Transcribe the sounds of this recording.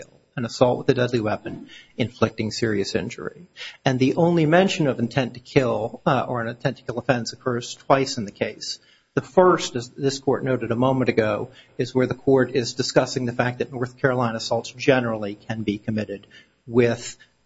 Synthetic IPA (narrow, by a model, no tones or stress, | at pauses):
ɪlˠ | ɨ̃nəsɔlˠʔ̚wəðɨdɛdˡliwɛpɨ̃nɨ̃ɱflɪk̚tɪ̃ŋsɪɹiɨsɪ̰̃nd͡ʒə̰˞ḭɨ̃nðiʔõʊ̃nlimɛ̃nʃɨ̃nʌvɨ̃n̩tʰɛ̃ntʰɨ̥kʰɪlˠə˞ɨ̃nɨ̃ntʰɛ̃ntʰɨ̥kʰɪlˠdəfɛ̃nsɨkʰɜ˞z̥tʰw̥aɪsn̩ðɨkʰeɪs | ðɨfɜ˞stɨzðɪskʰɔɹʔⁿnoʊɾɨɾəmõʊ̃mɨ̃ñɨɡoʊɨzwə˞ðɨkʰɔɹɾɪzdɨskʌsɪ̃ŋðɨfæk̚ðɨtⁿnɔɹθkʰɛɹəlãɪ̃nəsɔlˠtsd̥ʒ̥ɛnə˞l̩ˠikʰɨ̃nbikʰɨmɪɾɨd̚ | wɪð̥